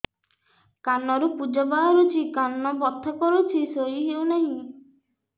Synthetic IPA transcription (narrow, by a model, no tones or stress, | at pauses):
kanːɔɾupud͡ʒɔbaɦaɾut͡ʃʰikanːɔbɔt̪ʰːɔkɔɾut͡ʃʰisoɾiɦewnaɦĩ